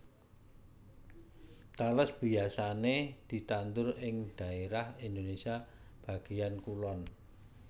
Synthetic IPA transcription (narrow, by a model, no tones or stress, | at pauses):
t̪aləsb̥i̤asaned̪̥i̤t̪ant̪ʊɾɪŋd̪̥ä̤eɾahind̪onesia | b̥a̤ɡ̥ijankulɔn